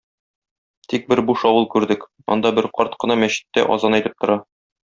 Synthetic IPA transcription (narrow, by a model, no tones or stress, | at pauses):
t̪ik̚bɘɾbuʃɒwɤlˠkʉɾd̪ɘk | ɒ̰nd̪ɑbɘɾqɒɾt̪̚qɤ̆nɑmæɕɘ̥̆t̪ːæ̰ʔɒ̰zɑnæjt̪ɘp̚t̪ŏɾɑ